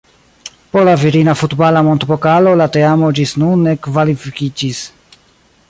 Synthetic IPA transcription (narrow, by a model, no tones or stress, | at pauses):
poɾlaviɾinafutbalamontbokalo̞lateamod͡ʒisnunːe̞kvalifikid͡ʒis